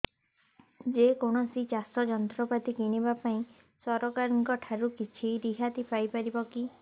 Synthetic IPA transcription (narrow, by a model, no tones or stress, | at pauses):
d͡ʒekoñɔsit͡ʃasɔd͡ʒɔnt̪ɾɔpat̪ikiñibapaĩ | sɔɾɔkaɾɔŋkɔʈʰaɾukit͡ʃʰiɾiɦat̪ipajpaɾibɔki